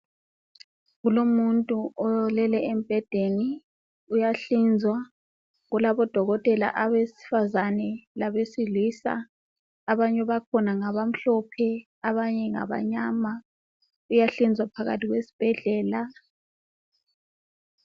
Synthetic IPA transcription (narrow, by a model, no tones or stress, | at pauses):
ɣulomuntʼuɔjlɛlɛem̩b̥ʱɛd̥ʱeni | ujaɬind͡zʱwa | ɣulaβɔd̥ʱɔɣɔtʼɛla̰ʔaβesi̥fazanɛlaβesilisa̰ː | βaɲɛβakʰɔnaŋaβam̩ɬɔpʰɛ | aβaɲɛŋa̰βa̰ɲama | ujaɬind͡zʱwapʰaɣa̰tiɣwesi̥b̥ʱɛɮɛːla